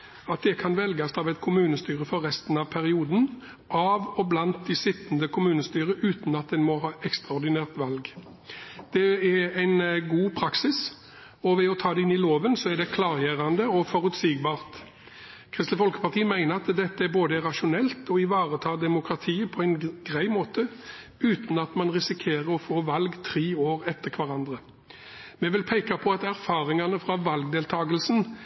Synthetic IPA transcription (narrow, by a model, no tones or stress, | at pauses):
ɑt̪̚d̪ɛkʰɑnʋɛlɡɑst̪ɑʋɛɪt̪kʰʊmʉːnəst̪yːʁəfɔɾːɛst̪n̩ɑʋpʰæʁɪuːd̪n̩ | ʔɑʋɔblɑnt̪̚d̪ɪsɪt̪ːnd̪əkʰʊmʉːnəst̪yːʁəʔʉːt̪n̩ɑt̪̚d̪ɛnmɔɦɑːʔɛkst̪ʁɑɔɾd̪ɪnæːʁt̪ʋɑlɡ | d̪̥ɛɛæɪnɡuːpʰɾɑksɪs | ɔʋɛɔt̪ʰɑːd̪ɛɪnɪloːʋənsɔæd̪ɛkʰlɑːɾjeːɾɑnd̪əɔfɔɾʉt̪siːɡbɑːʁt̪ | kʰʁɪst̪əfɔlkə̥pɑʁt̪ʰiːəmæɪnəɾɑt̪d̪ɛt̪ːəæɾboːd̪əɛʁɑʃʊnɛlt̪ɔɪʋɑːʁət̪ʰɑːd̪ɛmʊkʁɑt̪ʰiːəpʰɔæɪnɡɾæɪmoːt̪ə | ʉːt̪n̩ɑt̪mɑnʁɪsɪkʰeːʁəɾɔfoːʋɑlɡt̪ʰɾiːoːɾɛt̪ːəʁkʰʋɑɾɑnd̪ʁə | mɛʋɪlpʰeɪkɑpʰɔɑt̪æɾfɑːʁɪŋɑnəfɾʁɑʋɑlɡ̚d̪eːlt̪ʰɑːɡəlsn̩